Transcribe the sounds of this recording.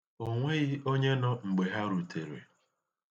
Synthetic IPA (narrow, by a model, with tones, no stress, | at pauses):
o˨ŋʷe˦ɣɪ˦o˦ɲe˦nɔ˦ŋ͡m̩˨ɡ͡be˨ɦa˦ɾu˨tʰe˨ɾḛ˨